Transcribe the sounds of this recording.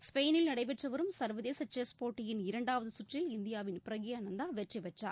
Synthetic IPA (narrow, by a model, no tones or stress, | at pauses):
spejnɪlnɐɽɐɪpɛʈrɐʋɐɾɯmsɐɾʋɐðeːsɐt͡ʃeːspoːʈːɪjɪnɪɾɐɳɖaːʋɐðɯsʊʈrɪlɪnd̪ɪjaːʋɪnpɪɾɐɣɪjɐnɐnd̪aːʋɛʈriʋɛʈra̰ː